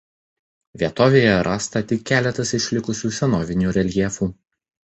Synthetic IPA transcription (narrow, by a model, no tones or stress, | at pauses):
ʋʲiɛt̪oːʋʲeːjɛɾʔɑːst̪ɐt̪ʲɪkʲːæːlʲɛt̪ɐsɪʃʲlʲɪkʊsʲuːsʲɛnɔːʋʲɪnʲuːɾʲɛlʲjɛfuː